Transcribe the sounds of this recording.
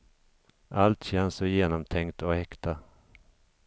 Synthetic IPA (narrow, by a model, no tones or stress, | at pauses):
ʔalt̪ɕɛnsɔjeːnɔmt̪ʰɛŋkt̪ɔɛkt̪a